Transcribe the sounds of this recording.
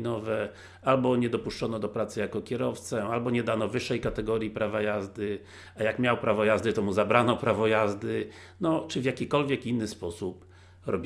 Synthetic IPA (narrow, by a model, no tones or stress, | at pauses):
nɔvɛ | albɔɲɛd̪ɔpuʂt͡ʂɔnɔd̪ɔpɾat̪sɘjakɔkʲɛɾɔft̪sɛalbɔɲɛd̪anɔvɘʂːɛjkat̪ɛɡɔɾjipɾʔavajazd̪ɘ | ajakmʲjawpɾavɔjazd̪ɘt̪ɔmuzabɾanɔpɾavɔjazd̪ɘ | nɔt͡ʂɘvjakʲikɔlvʲjɛkinːɘspɔsup | ɾɔbʲ